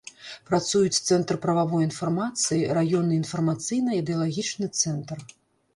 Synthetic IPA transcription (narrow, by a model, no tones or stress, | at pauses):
pɾat̪sujut͡sʲt̪sɛnt̪ɾpɾɐvavɔjinfarmat̪sɨjiɾajɔnːɨinfɐrmat̪sɨjnɐid̪ɛɐlˠaɣʲit͡ʂnɨt̪sɛnt̪r